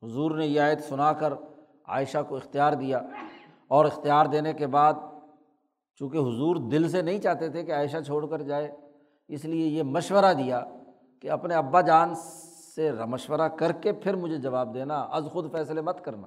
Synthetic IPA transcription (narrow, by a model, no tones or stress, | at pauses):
ɦʊzuːɾnejeaːɪt̪sʊnakəɾ | a̰ːɪʃakoɪxt̪ijaːɾd̪ijaː | ɔːɾɪxt̪ijaːɾd̪eːnekebaːd̪̚ | t͡ʃũːkeɦʊzuːɾd̪ɪls̬enɐɦĩt͡ʃaːɦt̪et̪ʰekeaːɪʃ̬at͡ʃʰoːɽkəɾd͡ʒaːe | ɪsliejemɐʃwəɾad̪ijaː | keɐpneɐbːad͡ʒaːnseɾɐməʃwəɾakɐɾkepʰɪɾmʊd͡ʒʱed͡ʒɐʋaːb̚d̪eːnaʔɐ̰zxʊd̪fɛːslemɐt̪kɐɾna̰ː